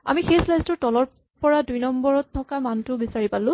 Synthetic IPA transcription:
a̰mixeslajstʊtɔlɔɹ | pɔɹadujnɔmbɔɹɔtʰːɔkamantʊbisaɹipalʊ̃

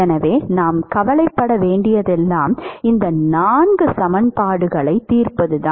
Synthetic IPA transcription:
ɛnɐʋeːnaːmkɐʋɐlɐɪpːɐɽɐʋeːɳɖɪjɐðɛlːaːmɪnd̪ɐnnaːnɡɯsɐmɐnpaːɽɯɣɐɭɐɪt̪ːiːrpɐðɯðãː

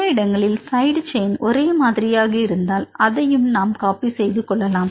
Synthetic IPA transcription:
ɐɪɽɐŋɡɐɭɪlsɐɪɽt͡ʃeɪnʔɔɾeːmaːðɪɾɪjaːɣɐɪɾɯnd̪aːlɐðɐjɯmnaːmkaːpisɛjðɯkːɔɭːɐlaːm

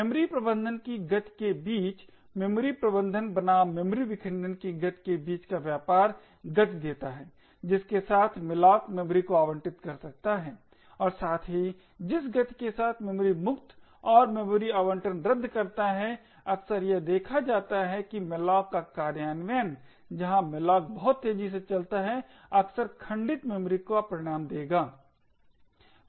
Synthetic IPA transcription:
mɛmɾipɾəbə̃nd̪ʱənkiɡɐt̪kebiːt͡ʃ | memɾipɾəbə̃nd̪ʱənbənamɛmɾiʋɪkʰɪ̃ɳɖənkiɡɐt̪kebiːt͡ʃkaʋjaːpaːɾ | ɡɐt̪d̪eːt̪aɦɛː | d͡ʒɪskesaːt̪ʰmɪlaːkmɛmɾikoaːʋə̃ɳʈɪt̪kɐɾsɐk̚t̪aɦɛː | ɔːɾsaːt̪ʰɦi | d͡ʒɪsɡɐt̪kesaːt̪ʰmɛmɾimʊkt̪ | ɔːɾmemɾiaːʋə̃ɳʈənɾɐd̪ʱːkɐɾt̪aɦɛ | ɐksəɾjed̪eːkʰad͡ʒaːt̪aɦɛkimɪlaːkːakaːɾjaːnʋɛːn | d͡ʒɐɦãmɪlaːk̚bɐɦʊt̪ːeːd͡ʒis̬et͡ʃɐlt̪aɦɛ | ɐksəɾkʰɐ̃ɳɖɪt̪memɾikapɾɪɽ̃aːmd̪eːɡaː

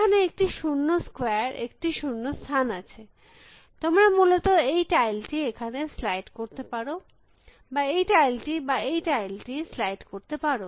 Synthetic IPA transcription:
kʰaneek̚ʈiʃunːoskoeɾḛkʈiʃunːost̪ʰanat͡ɕʰe | t̪omɾamulot̪oejʈajlʈiekʰaneslajʈkoɾt̪epaɾo | baejʈajlʈibaejʈajlʈislajʈkoɾt̪epaɾo

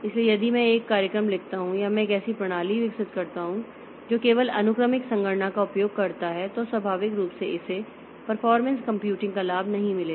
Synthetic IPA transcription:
ɪsliejɐd̪imɛ̃eːkːaːɾjəkɾəmlɪkʰt̪aɦũjamɛ̃eːkɛːsipɾɐɽ̃aːliʋɪksɪt̪kɐɾt̪aɦũ | d͡ʒoːkeːʋəlɐnʊkɾəmɪksɐ̃ŋɡəʈɳakaʊpjoːɡ̚kɐɾt̪aɦɛt̪oswɐbʱaːʋɪkɾuːpseʔɪse | pɐɾfɔːɾmɛ̃nskɐ̃mpjuːʈɪ̃ŋɡkalaːbʱnɐɦĩmɪleː

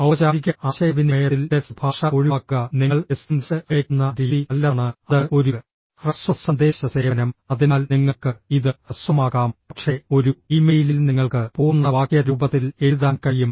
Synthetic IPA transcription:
ɐʋɐt͡ɕaːɾiɣʲɐʔaːɕɐjɐʋinejɐilt̪esbʱaːʂɐo̞ɻiʋaːkːɐniŋːɐɭesind̪sɨekunːɐɾiːðiɐlːaːɳɨɐðɨʔo̞ɾu | rɐswɐsɐnd̪eːɕɐsɐɾɐnɐmɐðinaːlniŋːɐɭkɨiðɨrɐswɐmaːɣaːmpɐʈʂe̞o̞ɾuiːmeːjililniŋːɐɭkɨpoːunːɐʋaːkjɐɾuːbɐt̪ːileɾuðaːnkɐɻijum

